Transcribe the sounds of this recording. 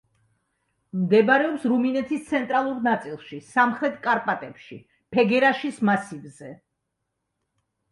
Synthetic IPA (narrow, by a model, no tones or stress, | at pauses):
md̪ɛbaɾɛɔpsɾuminɛt̪ʰist̪sʰɛnt̪ʼɾalˠuɾnat̪sʼilˠʃisamχɾɛt̪ʰʼkʼaɾpʼat̪ʼɛpʃḭ | pʰɛɡɛɾaʃismasivzɛ